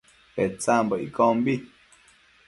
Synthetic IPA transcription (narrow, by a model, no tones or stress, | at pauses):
pet͡saːmboḭkombi